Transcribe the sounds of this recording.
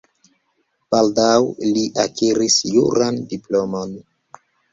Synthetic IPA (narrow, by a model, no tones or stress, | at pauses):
b̥aldawliʔakiɾisjuɾandiplomon